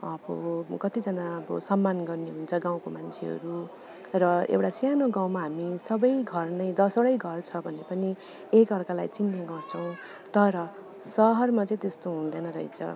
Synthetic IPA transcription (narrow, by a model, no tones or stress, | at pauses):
ʌbʌkʌt̪id͡zʌnaʌbʌ̰sʌmːanɡʌrneɦunt͡sʰʌɡãw̃komant͡sʰeɦʌ̰ɾu | rʌḛwʈasjanoɡãw̃maɦamisʌbʌjɡʱʌrnʌjd̪ʌsoɽʌjɡʱʌrt͡sʰʌbʱʌnːepʌni | ekʌrkalajt͡sinːeɡʌrt͡sʰʌ̃w̃ | t̪ʌɾʌ | sʌɦʌrmat͡sʌĩt̪est̪oɦũnd̪ʌnʌɾʌ̰ḭt͡sʰʌ̰